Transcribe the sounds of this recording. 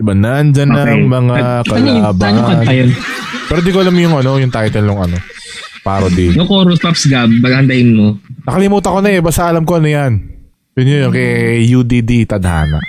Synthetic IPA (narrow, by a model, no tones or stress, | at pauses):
d̪ɪbanand͡ʒɐnːɐʔɐŋmɐŋakɐlaːbaɐɐjonpɛːɾod̪iːkoʔɐlamjʊŋʔɐno̞jʊŋt̪aːjt̪ɛnlːoŋʔɐno̞ | paːɾod̪ij̪okoːɾospapsɡab̚ːɐɡhɐnd̪ɐʔɪnmonɐkɐlɪmuːt̪ɐkonɐɛbast̪ɐʔɐlɐmko̞nɐjan | jʊnjojʊŋkejud̪id̪it̪ɐd̪ha̰ːnɐ̰ʔ